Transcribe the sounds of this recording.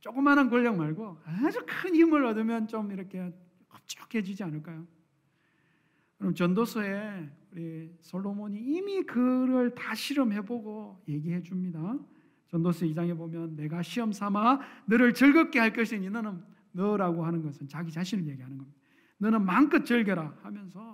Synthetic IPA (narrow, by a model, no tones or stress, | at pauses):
t͡ɕ͈ok͈ɯmːanɯnkʌʎːjʌŋmaɭɡoad͡ʑukʰɯnhimɯɾʌdɯmjʌnt͡ɕomiɾʌkʰe̞ | kʌ̥t͡ɕ͈ʌ̥khe̞d͡ʑid͡ʑianɯɭk͈ajo | kɾomt͡ɕʌndosʰʌeuɾisʰolːomoɲiːmikɯɾʌɭtaɕʰiɾʌmhe̞boɡoje̞ɡiɦe̞d͡ʑumɲida | t͡ɕʌndosʰʌid͡ʑaŋe̞bomjʌnːe̞ɡaɕʰiʌmsʰamanɯɾɯɭt͡ɕʌɭɡʌp̚k͈ehaɭk͈ʌɕʰiɲinʌnɯnː | ʌɾaɡoɦanɯnɡʌsʰɯnt͡ɕaɡit͡ɕaɕʰinɯɭje̞ɡiɦanɯnɡʌmɲid̥a | nɯnɯnmank͈ɯt̚t͡ɕ͈ʌɭɡjʌɾahamjʌnsʰʌ